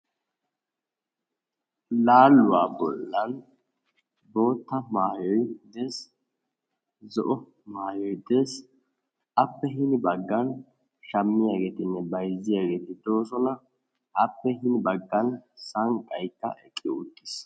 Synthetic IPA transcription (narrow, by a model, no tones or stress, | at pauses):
laːlːʊwaːbɔ̰lːɐn | bo̞ːt̪ːɐmaːjɔjd̪eːs | zɔ̰ʔɔ | maːjɔjd̪eːs | ɐpːɛɦɪnbɐɡːɐn | ʃɐmːɪjaːɡeːt̪ɪnːɛbɐjzɪjaːɡe̞ːt̪ɪd̪o̞ːsɔnɐ | ʔɐpːɛɦɪnbɐɡːɐnsɐŋkʼɐjt̪ːɐ̰ʔɛkʼːɪʊt̪ːɪs